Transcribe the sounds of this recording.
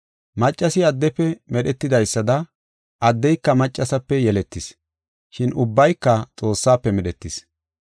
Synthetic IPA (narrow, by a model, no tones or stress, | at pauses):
mɐt͡ʃʼːɐsɪɐd̪ːɛpːɛmɛɗɛt̪ːɪd̪ɐjsːɐd̪ɐ | ʔɐd̪ːɛjkːɐmɐt͡ʃʼːɐsɐpːɛjɛlɛt̪ːɪs | ʃɪnʊbːɐjkːɐt͡sʼo̞ːsːaːpːɛmɛɗɛt̪ːɪs